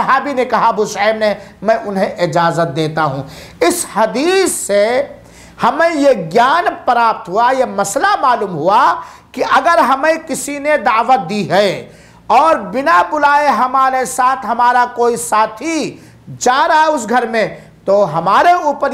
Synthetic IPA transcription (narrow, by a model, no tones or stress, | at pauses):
ɐɦaːbinekɐɦabuʃaːmnemɛ̃ʔʊnɦẽʔɪd͡ʒaːzət̪̚d̪eːt̪aɦṵ̃ːɪshɐd̪iːsːe | hɐmẽjeɡjaːnpəɾaːp̚t̪ɦuajemɐslamaːluːmɦua | kiʔɐɡəɾɦɐmẽkɪsined̪aːʋət̪̚d̪iɦɐe | ɔːɾbɪnabʊlaːeɦɐmaːɾesaːt̪ʰɦɐmaːɾakoːisaːt̪ʰi | d͡ʒaːɾaɦeʊs̬ɡʱɐɾmẽ | t̪oɦɐmaːɾeuːpəɾ